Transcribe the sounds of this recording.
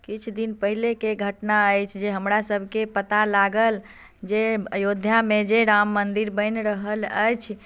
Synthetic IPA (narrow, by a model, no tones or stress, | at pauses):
kit͡ʃʰd̪inpəɦilekeɡʱəʈnaəjt͡ʃʰd͡ʒeɦəmɾasəbʱkepət̪alaɡəl | d͡ʒeəjod̪ʱjamed͡ʒeɾamːənd̪iɾbəjnɾəɦələjt͡ʃʰ